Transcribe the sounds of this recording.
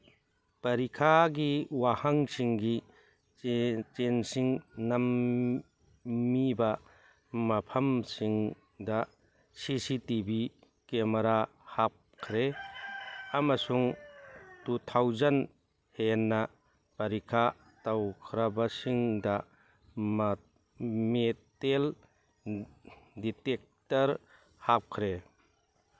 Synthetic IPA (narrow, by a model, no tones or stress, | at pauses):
pɐɾikʰaɡiwahaŋsiŋɡi | t͡ʃensiŋnɐm | ibɐ | mɐpʰɐmsiŋ | dɐ | sisitibi | kemɐɾa | hap̚kʰɾe | amasuŋ | tutʰawzɐn | henːa | pɐɾikʰa | tawkʰɾɐbasiŋda | metel | ditek̚tɐɾ | hap̚kʰɾe